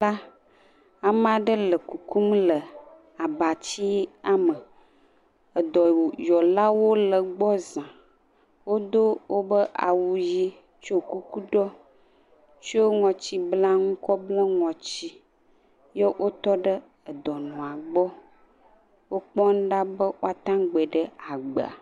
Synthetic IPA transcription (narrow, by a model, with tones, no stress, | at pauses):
la˦ | a˨m˦a˨ɖə˦lə˨ku˨ku˦mlə˨ | a˨ba˨t͡ɕi˦e˦a˨mə˨ | ə˨d̪ɔ˨jɔ˨la˦wo˦lə˨ɡ͡bɔ˦zã˨ | wo˦d̪o˦wʔo˦bə˦ʔa̰˨wu˨ji˦ | t͡ʃo˦ku˦ku˦ɖɔ˦ | t͡ʃo˦ŋɔ̃˨t͡ɕi˦bla˦ŋũ˦kɔ˦blɔ˦ŋɔ̃˨t͡ɕi˦ | je˦wʔo˦t̪ɔ˦ɖə˦ | ə˨d̪ɔ˨nũ˨a˨ɡ͡bɔ˦ | wo˦k͡pɔ˦n˦ɖa˦bə˦wo˦a˦t̪ã˦ɡ͡be˨ɖə˦a˨ɡ͡bə̰˨a̰˨